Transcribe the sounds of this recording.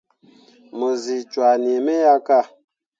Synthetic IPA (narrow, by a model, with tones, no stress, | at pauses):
mo˨zi˨t͡ʃwa˨ni˨me˦ja˦ka˦˨